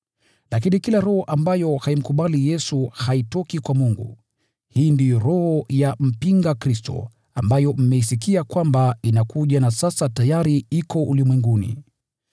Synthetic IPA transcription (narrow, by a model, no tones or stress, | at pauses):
lakinikilaɾɔhɔʔambajɔhaim̩kuɓalijɛsuhaitɔkikwamuŋɡṵ | hiːndijɔɾɔhɔjam̩piŋɡakɾistɔ̰ | ambajɔm̩mɛisikiakwambainakuʄanasasatajaɾiikɔʔulimwɛŋɡunḭ